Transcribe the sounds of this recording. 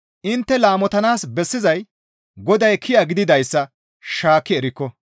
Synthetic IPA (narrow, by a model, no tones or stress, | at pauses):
ʔɪnt̪ːɛlaːmɔt̪ɐnaːsbɛsːɪzɐj | ɡɔd̪ɐjkʰɪjɐɡɪd̪ɪd̪ɐjsːɐ | ʃaːkːɪɛɾɪkːɔ